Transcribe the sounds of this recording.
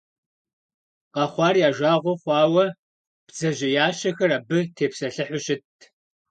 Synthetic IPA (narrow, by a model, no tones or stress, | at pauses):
qɐχʷɑːrjaːʒʷaːʁʷʊχʷɑːwɐ | b̥zɐʑɐjaːɕɐxɐɾaːbɨtʰeːpsɐɬɨħʷʊɕɪtʰ